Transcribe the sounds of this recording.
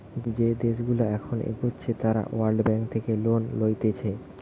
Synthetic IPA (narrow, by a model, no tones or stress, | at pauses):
d͡ʑed̪eʃɡulaɛkʰonʔḛbotːɕʰet̪aɾa̰waɾɖbɛŋk̚t̪ʰekelonlojt̪et͡ɕʰa